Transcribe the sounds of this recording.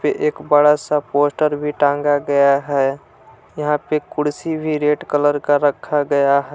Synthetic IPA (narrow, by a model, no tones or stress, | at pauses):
peʔeːkbəɽasapoːsʈəɾbʱiʈãŋɡaɡəjaɦɛ | jəɦãpekʊɽsibʱiɾeʈkələɾkaɾəkʰːaɡəjaɦɛ